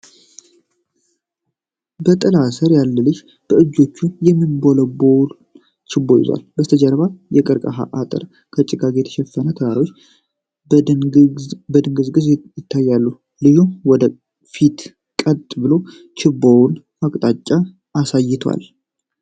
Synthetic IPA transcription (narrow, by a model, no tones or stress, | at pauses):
bət̪ʼəlasəɾjalːɨlɨʃ | b̥əɨd͡ʒːo̞t͡ʃːujɛmːɨnbo̞ləbol | t͡ʃʰɪbːojɪ̰za̰lbəst̪ʰəd͡ʒɛɾβajɛkʼɨɾkʼəɦa̰ʔat̪ʼɨ̰ɾ | kʰət͡ʃʼɪɡaɡejɛt̪ʰə̥ʃɛfːənət̪ʰəwaɾiwot͡ʃː | bəd̪ɨŋɡɨzɡɨzjɪt̪ʰːajːalːu | lɨjumwɔd̪ə | fit̪ | kʼət̪ʼbɨlo̞ | t͡ʃʰɪbowʊn | akʼt̪ʼat͡ʃʼːa | ʔːsajːɪt̪ʰwa̰l